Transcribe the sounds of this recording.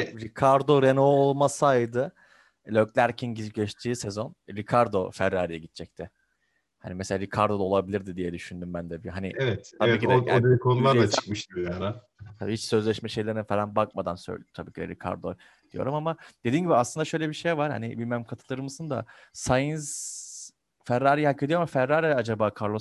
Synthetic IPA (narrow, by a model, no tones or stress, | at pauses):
ɾikʰaɾd̪o̞ɾe̞noolˠmasajd̪ɯ | lʲøclʲæɾcʰinɟiɟet͡ʃt̪ʰiːse̞zo̞nɾikʰaɾd̪o̞fæɾːaːɾijɛɟit̪̚t͡ʃʰɛc̚t̪ʰɪ | ha̰nimeselʲaːɾikʰaɾd̪o̞d̪aolˠabilʲiɾd̪id̪ijɛd̪yʃynd̪ymbænd̪ɛbiɦanḭevɛt̪t̪ʰaɛiːtciɛ̰d̪eikʰonulˠaɾat͡ʃʰɯ̥k̚mɯʃd̪iojana | t̪ʰabiːhit͡ʃsø̞zlʲɛʃmɛʃe̞jlʲe̞ɾinfelʲanbak̚mad̪ansø̰t̪ʰabiːcʰid̪ɛ̰ɾikʰa̰ɾd̪o̞ | d̪̥ijo̞̰ɾumamad̪̥ed̪iːnɟibiaslˠɯnd̪aʃø̞jlʲɛbiʃejvaɾ̥ha̰nibilʲmɛmkʰat̪ʰɯlˠaɾɯmɯzɯnd̪a̰sajɯnz | fæɾːaːɾijhakʰːed̪ijomafæɾːaːɾiad͡ʒabaːkʰaɾlˠo